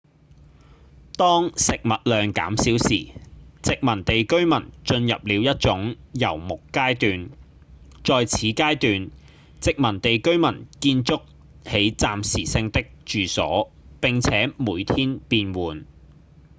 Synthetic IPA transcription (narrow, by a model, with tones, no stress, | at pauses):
t̪ɔː˥ŋsɪ˨k̚mɐ˨t̚lœː˨ŋka̰ː˨˥msiː˨˥wsiː˨˩t͡sɪ˨k̚mɐ˨˩nt̪e˨jkɵ˥ɥmɐ˨˩nt͡ʃɵ˧njɐ̰˨p̚liː˨˧wjɐ˥t̚t͡ʃʊ˨˥ŋ | jɐ˨˩wmʊ˨kːaː˥jt̪yː˨˧n | t͡ʃɔː˨jt͡sʰiː˨˥kaː˥jt̪yː˨n | t͡sɪ˨k̚mɐ˨˩nt̪e˨jkɵ˥ɥmɐ˨˩nkiː˧nt͡sʊ˥k̚ | he˨˥jt͡saː˨msiː˨˩sɪ˧ŋt̪ɪ˥k̚t͡ʃyː˨sɔ̰ː˨˥ | pɪ˨ŋt͡sʰɛː˨˥muː˨˧jt̪ʰiː˥npiː˧nwuː˨n